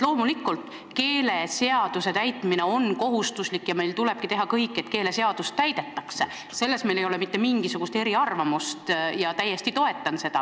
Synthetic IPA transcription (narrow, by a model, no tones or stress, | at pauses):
lo̞ːmulikːˑult̪ˑ | ke̞ːle̞se̞ɑd̪use̞t̪æjt̪ːˑmine̞o̞nko̞ɦust̪uslikːˑjɑme̞jlt̪ule̞b̥̚kit̪e̞ɦɑkɤjkːˑe̞t̪ke̞ːle̞seɑd̪̥ust̪ːæjd̪̥e̞t̪ːˑɑkse | se̞lːe̞smejlejo̞le̞mit̪ːe̞miŋɡ̥isuɡ̥ust̪e̞ɾiɑrvɑmust̪jɑt̪æjːe̞st̪it̪o̞e̞t̪ˑːɑnse̞d̪̥ɑ̰